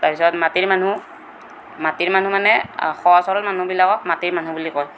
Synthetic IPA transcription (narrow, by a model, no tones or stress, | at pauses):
taɹpisɔtmatiɹmanu | matiɹmanũmanɛxɔɔsɔɹɔlmanũbilakɔkmatiɹmanũbulikɔj